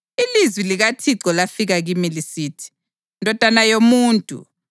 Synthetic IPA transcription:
ilizwiliɣatʰiǀɔlafiɣaɣimilisiːtʰi̥ | ndʱɔd̥ʱanajomuːntʼṵ

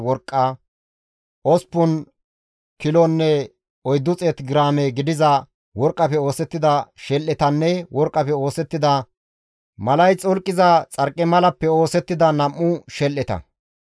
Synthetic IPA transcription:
wɔɾkʼːɐ | ʔɔspːʊn | kɪlɔnːɛ | ɔjd̪ːʊt͡sʼeːt̪ɡɪɾaːmɛɡɪd̪ɪzɐ | wɔɾkʼːɐpɛo̞ːsɛt̪ːɪd̪ɐʃɛlʔːɛt̪ɐnːɛwɔɾkʼːɐpɛo̞ːsɛt̪ːɪd̪ɐ | mɐlɐjt͡sʼɔlkʼːɪzɐt͡sʼɐɾkʼːɛmɐlɐpːɛo̞ːsɛt̪ːɪd̪ɐnɐmːʊʃɛlʔːɛt̪ɐ̰

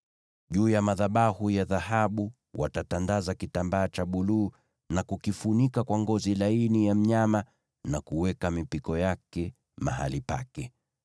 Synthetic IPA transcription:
ʄuːjamaðaɓahujaðahaɓu | wʔa̰tatandazakitambaːt͡ʃaɓuluː | nakukifunikakwaŋɡɔzilainijam̩ɲama | nakuwɛkamipikɔjakɛ | ma̰ɦa̰lipa̰kɛ

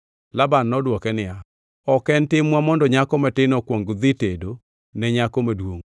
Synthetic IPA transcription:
labanːɔdwɔkɛnɪja | ɔkɛntɪmwamɔndɔɲakɔmɛtɪnɔkwɔŋɡd̪ɪtedo | nɛɲakɔmedwoŋ

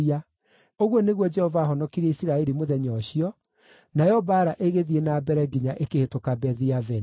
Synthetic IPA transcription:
a | oɣwɔneɣwɔd͡ʒɛhɔvaːɦɔnɔkiɾɛisiɾaɛɾimoðɛɲɔɕiɔ | najɔbaːɾaʔeɣeðienaːbɛɾɛɡiɲaʔekehetokabɛðiavɛn

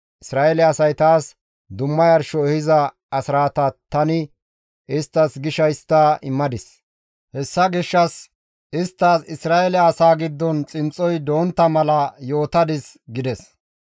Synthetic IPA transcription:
ʔɪsɾaːʔɛlɛɐsɐjt̪aːs | d̪ʊmːɐjɐɾʃɔɛhɪzɐ | ɐsɪɾaːt̪ɐt̪ːɐnɪ | ɪst̪ːɐsɡɪʃɐjst̪ːaʔɪmːɐd̪ɪs | hɛsːɐɡɪʃːɐs | ɪst̪ːaːsɪsɾaːʔɛlɪːsaːɡɪd̪ːɔnt͡sʼɪnt͡sʼːɔjd̪o̞ːnt̪ːɐmɐlɐjo̞ːt̪ɐd̪ɪsɡɪd̪ɛs

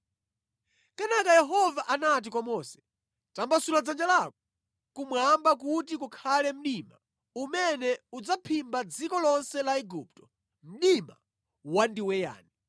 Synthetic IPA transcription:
kɛnakajɛɦɔvaʔanat̬ikwamɔsɛ̥ | tambasulad͡zand͡ʒalakɔ | kumwambak̬utikukʰalɛm̩ɗima̰ | umɛnɛud͡zapʰimbad͡zikɔlɔnsɛlaɛɡup̚tɔ̥ | m̩ɗima | wandiwɛja̰ːni

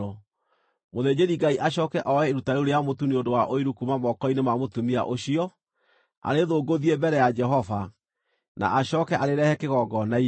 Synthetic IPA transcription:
ɔ | moðed͡ʑeɾiɡaiʔaɕ̬ɔkɛʔɔwɛeɾutaoɾejamotuniondowaʔoiɾukumamɔkɔinemamotumia̰ʔoɕiɔ | a̰ɾeðoːɡoðiembɛɾɛjad͡ʒɛɦɔva | nʔa̰aɕɔːkɛʔaɾeɾɛhɛkeɣɔɡɔna

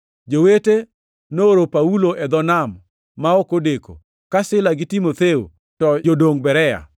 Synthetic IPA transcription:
d͡ʒowete | noɾopauloʔed̪ɔnamː | aokodeko̰ | kasɪlaɡɪtimot̪eo̰ | tɔd͡ʒodoŋbɛɾɛja̰

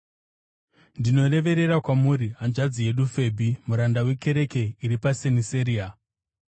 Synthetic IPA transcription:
ndino̞re̞ʋe̞ɾe̞ɾakwamuɾianʐad͡zije̞ɗufe̞bʱimuɾandawe̞kʰe̞ɾe̞ke̞iɾipaseniseɾia

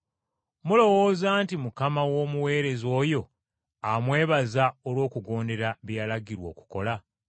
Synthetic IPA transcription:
mulo̞wo̞ːzaːntimukamawo̞muwe̞ːɾe̞zo̞ːjo̞ | amwe̞ːβazaolwo̞ːkuɡo̞ːnde̞ɾaβjalaɡiɾwo̞ːku̥ko̞̰la

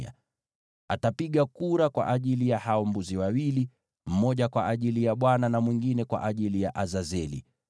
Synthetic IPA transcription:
a̰ | atapiɠakuɾakwa̰ʔaʄilijahaɔmbuziwawili | m̩mɔʄakwaʔaʄilijaɓwananamwiŋɡinɛkwa̰ʔaʄilija̰ʔazazɛlḭ

